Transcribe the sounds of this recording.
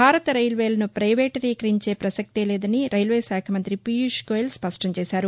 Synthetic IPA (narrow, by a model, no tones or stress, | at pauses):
bʱaːɾɐt̪ɐɾɐjlʋeːlɐnupɾɐjʋeːʈɐɾiːkɐɾiɲt͡ʃe̞ːpɾɐsɐk̚t̪elɛːd̪ɐniɾɐjlʋeːsaːkʰɐmɐnt̪ɾipijuʂkoːjlspɐʂʈɐmt͡ʃeːsaːɾu